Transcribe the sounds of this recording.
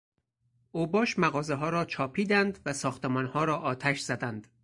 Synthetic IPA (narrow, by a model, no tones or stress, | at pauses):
ʔoːbɒːʃmæɣɒːzeɦɒːɾɒːt͡ʃʰɒːpʰiːd̪ænd̪væsɒːxt̪emɒːnhɒːɾɒːʔɒːt̪ʰæʃz̥æd̪ænd̪̥